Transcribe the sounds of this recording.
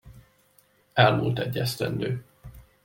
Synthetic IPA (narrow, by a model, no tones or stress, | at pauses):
ɛlmult̪ɛɟːɛst̪ɛ̰nd̪øː